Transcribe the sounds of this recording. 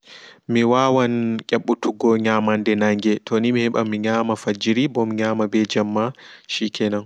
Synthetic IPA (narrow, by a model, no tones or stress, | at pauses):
miwawankʲʼɛɓːutuɡɔɲamandɛnaŋɡɛtʰɔnimihɛɓamiɲaːmafad͡ʒiɾibɔmɲaːmabɛd͡ʒamːaʃikʰɛnan